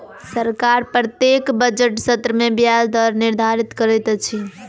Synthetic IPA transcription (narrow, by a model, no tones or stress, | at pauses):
səɾkaɾpɾət̪jekbəd͡ʒəʈsət̪ɾəmebjad͡ʒd̪əɾniɾd̪ʱaɾit̪kəɾɛt̪t͡ʃʰi